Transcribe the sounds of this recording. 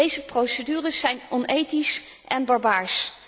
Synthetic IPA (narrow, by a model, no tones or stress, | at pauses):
ejzəprowsədyːrəsːɛjnɔnejtisʔɛnbɑɹbaːɹs